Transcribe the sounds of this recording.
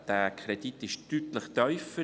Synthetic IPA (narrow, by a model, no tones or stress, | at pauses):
d̥æːkʰɾɛd̥it̪ɪʃtyt̪ləχt̪œʏfə